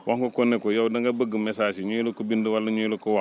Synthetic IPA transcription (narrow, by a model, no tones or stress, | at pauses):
wʔaŋkokonːekojawdaŋɡabəɡəmːesaʃiɲuilukubindəwalːuɲulukowa